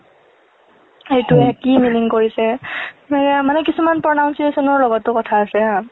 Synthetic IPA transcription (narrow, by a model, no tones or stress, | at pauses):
ejtuɛkimiliŋkoɹisɛnɛkmanɛkisumanpɹɔnaw̃nsiesɔnɔɹlɔɡɔtːʊkɔtʰaːsɛa